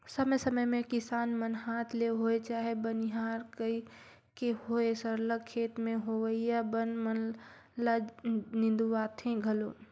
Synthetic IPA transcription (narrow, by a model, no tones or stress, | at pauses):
səməjsəməjmẽkɪsaːnmənɦaːt̪ʰleɦoːet͡ʃaːɦebənɪɦaːɾkəi | kehoːesəɾləkkʰːeːt̪mẽɦoʋəijabənmən | lanɪ̃nd̪uʋaːt̪ʰẽɡʱəloː